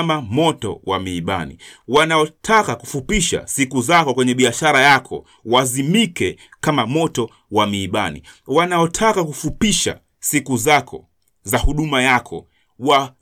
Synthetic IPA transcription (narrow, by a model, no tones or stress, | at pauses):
mamɔtɔ̰wamiːɓa̰nḭwanaɔtʰakaku̥fupiʃa̰sikuzakɔkwɛɲɛɓiaʃaɾajakʰɔ̰ | wazimikɛkamamɔtɔ | wamiːɓanḭwanaɔtʰakakufupiʃa̰ | sikuzakʰɔ̰ | zahuɗumajakʰɔ̰ | wa